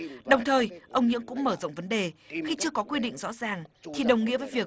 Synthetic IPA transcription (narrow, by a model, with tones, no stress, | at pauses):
ɗə˨˩wŋ͡mt̪ʰəː˨˩jʔə˧wŋ͡mɲɨ̰˧˥əŋkʊ̰˧˥ŋ͡mməː˧˩zə̰˧˨wŋ͡mvə˨˦nɗe˨˩xi˧t͡ɕɨ˧əkɔ˨˦kwi˧ɗḭ̈˧˨ŋ̟zɔ̰˧˥zaː˨˩ŋt̪ʰi˨˩ɗə˨˩wŋ͡mŋḭ˧˥əvəː˨˦jvi˨˩ə